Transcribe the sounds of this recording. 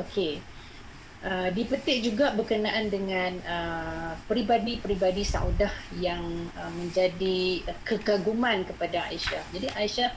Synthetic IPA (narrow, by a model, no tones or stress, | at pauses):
okʰe | ʔədipət̪ɪʔ̚d͡ʒuɡabərkənaʔandəŋãnəpɾibadipɾibadisa̰udahjaŋəmə̃ɲd͡ʒadiəkəkaɡumãnkəpadaa̰iʃahd͡ʒadiʔaiʃah